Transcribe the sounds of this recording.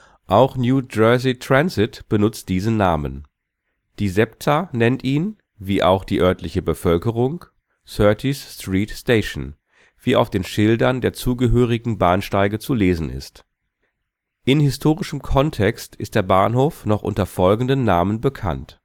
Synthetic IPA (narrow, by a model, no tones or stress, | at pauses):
ʔaʊxnjuːd͡ʒœɐzitʁ̥anzɪtb̥ənʊt͡st̚d̥iːznnaːmə̰n | d̥iːzɛptʰanɛntʔiːn | viːʔaʊxd̥iːʔœɐtlɪçəbəfœlkəʁ̞ʊŋ | sœɐtʰisstʁ̥iːtsteɪʃn̩ | v̥iːʔaʊfd̥eːnʃɪldɐndeːɐt͡suːɡəɦøːʁ̞ɪɡŋ̩baːnʃtaɪɡət͡suleːzn̩ɪ̰st | ʔɪnhɪstʰoːʁɪʃəmkʰɔntʰɛkstɪst̚d̥eːɐbaːnɦoːfnɔχʔʊ̰ntɐfɔlɡŋ̩dənːaːmənbəkʰa̰nt